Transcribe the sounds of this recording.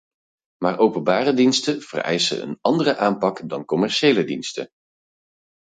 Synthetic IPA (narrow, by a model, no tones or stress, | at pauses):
maːɹʔowpənbaːrədinstəv̥ə̰rɛ̰jsə̰ə̰nɑndərəʔaːmpɑkdɑnkɔmɛɹʃejlədinstə̰n